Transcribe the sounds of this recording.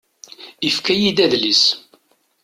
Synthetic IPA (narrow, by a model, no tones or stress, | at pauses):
ifkæjid̪æðlis